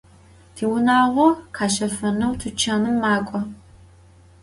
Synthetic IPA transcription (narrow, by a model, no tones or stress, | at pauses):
tʰiːwʊnaːʁʷɔqʰaːʃɐfɐnɐwtʰɨt͡ʃʰanɨmːaːkʷʼɔ